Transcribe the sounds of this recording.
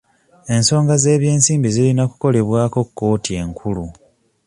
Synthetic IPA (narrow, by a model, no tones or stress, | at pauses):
e̞nso̞ːŋɡaze̞ːβje̞ːnsiːmbizilinaku̥ko̞le̞βwaːko̞kːo̞ːtie̞ŋkʰulu